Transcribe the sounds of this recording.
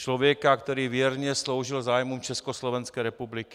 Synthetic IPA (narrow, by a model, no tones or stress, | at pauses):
t͡ʃlovjɛkakt̪ɛɾiːvɪjɛɾɲɛslo̞wʒɪlzaːjmumt͡ʃɛskoslovɛnskɛːɾɛpublikɪ